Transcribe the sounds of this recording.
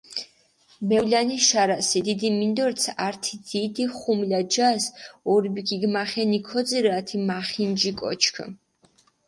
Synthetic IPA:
mɛwlaniʃaɾasid̪id̪imind̪ɔɾt̪sʰaɾt̪ʰid̪id̪iχumlad͡ʒasɔɾbikʰiɡmaχɛnikʰɔd̪ziɾat̪ʰimaχind͡ʒikʼɔ̰t͡ʃʰkʰ

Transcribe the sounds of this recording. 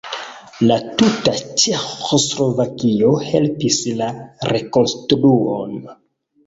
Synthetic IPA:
latutat͡ʃexoslo̞vakio̞helpislaɾe̞ko̞nstɾuo̰n

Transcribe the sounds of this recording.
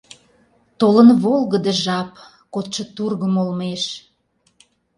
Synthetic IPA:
t̪olənβolˠɣəd̪eʒɑp | kot̪ʃə̆t̪urɣəmolmeʃ

